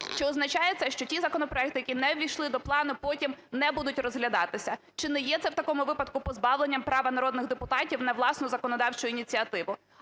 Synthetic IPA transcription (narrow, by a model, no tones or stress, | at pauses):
t͡ʃɪɔznɐt͡ʃɑjet̪sɛʃt͡ʃɔtʲizɐkɔnɔpɾɔɛk̚t̪ɪjɐkʲinɛʋʲijʃlˠɪd̪ɔplˠɑnʊpɔtʲimnɛbud̪ʊtʲrɔzɦlʲɐd̪ɑt̪ɪsʲɐ | t͡ʃɪnɛjɛt̪sɛwt̪ɐkɔmʊʋɪpɐd̪kʊpɔzbɑwlˠenʲːɐmpɾɑʋɐnɐɾɔd̪nɪɣd̪epʊt̪ɑtʲiwnɐʋlˠɑsnʊzɐkɔnɔd̪ɑwt͡ʃʊjʊinʲit͡sʲiɐt̪ɪʋʊ